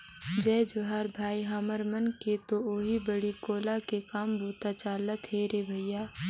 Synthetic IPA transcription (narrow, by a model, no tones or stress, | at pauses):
d͡ʒɛːd͡ʒoɦaːɾbʱaːiɦaːməɾmənket̪ooːɦibəɽikoːlakekaːmbʱuːt̪at͡ʃaːlːət̪ʰɦeːɾebʱɐjjaː